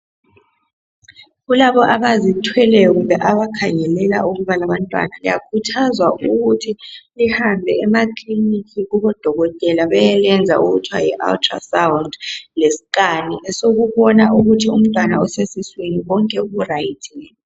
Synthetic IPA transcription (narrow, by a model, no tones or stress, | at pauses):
ɣulaβɔʔaɓazitʰwɛlɛjɔɣumbʱɛʔaɓakʰaŋɛlɛla̰ʔuɣuβalaɓantʼwa̰nalḭja̰kʰutʰazwaʔuɣutʰilihambʱɛɛmakʰʼlinikʰiɣ̬uɓɔd̥ʱɔɣɔtʼɛlaβɛjɛlɛnd͡zʱa̰ʔuɣutʰwa̰jḭʔa̰ltʰra̰sawundlesi̥kʼaniʔɛsoɣuɓɔnaʔuɣutʰium̩tʼwanaɔsesisweniɓɔŋkʼɛuɣurajitʰiɛ